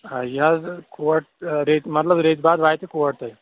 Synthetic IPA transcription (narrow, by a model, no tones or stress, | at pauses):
ajazkoʋəʈɾet̪mɐt̪ləbɾet̪̚bad̪ʋaːjt̪ekoʋəʈt̪aj